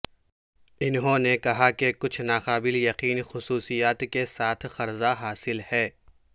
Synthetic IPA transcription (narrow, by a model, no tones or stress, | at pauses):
ɪnɦõnekɐɦakekʊt͡ʃʰnaːqaːbɪljɐqiːnxʊsuːsijaːt̪kesaːt̪ʰxɐɾzaɦaːsɪlhɛː